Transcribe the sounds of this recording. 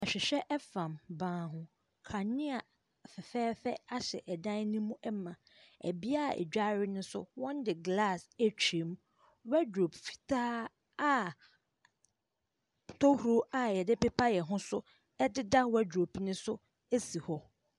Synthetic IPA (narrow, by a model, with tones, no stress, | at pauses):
a˨ɕᶣɪ˨ɕᶣɛ˦ʔɛ˦fã˨mbãː˨˦˨ɦʊ̃˦ | kʰa˨nɪ̃˦a˨ | fɛ˨fɛː˦fɛ˦a˦ɕɛ̰˨ʔɛ˨dã˦n˦nĩ˦mũ˦ʔɛ˦mã˨ | æ̰˨bi˦a˦˨ɛ̰˨d͡ʑᶣa˦ɾɪ˦nʊ̃˦sʊ̰˦wɔ̃˦ndɪ˨ɡla˦˨sæ˦t͡ɕʰᶣi˨˦m | wæ˦dɾo˨bfi̥˨tʰaː˦ | a˦ | tʰɔ˦hu˨ɾo˦a˨jɛ˨dɪ˦pɛ˦pʰa˦jɛ˨ɦʊ̃˦sʊ˦ | ɛ˦dɪ˦da˦wɛ˦do˨pi˦nʊ̃˦sʊ˦ | e˦si˨hɔ˦